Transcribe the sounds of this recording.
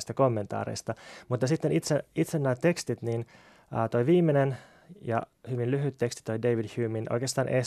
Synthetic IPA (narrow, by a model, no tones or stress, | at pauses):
st̪ɑkomːent̪ɑ̰ːɾḛist̪ɑmut̪ːɑsit̪ːenit̪seit̪senːæːt̪e̞kst̪it̪nin | əːt̪oijʋiːmːenen | jɑ̰hyʋinlyɦyt̪ːe̞kst̪i̥t̪o̞jdeiʋidçyːminʔo̰jkest̪ɑːnʔḛ